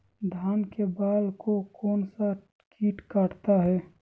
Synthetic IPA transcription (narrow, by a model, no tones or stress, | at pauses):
d̪ʱaːnkebaːlkokɔːnsa | kʰiːʈkaɾt̪aɦɛː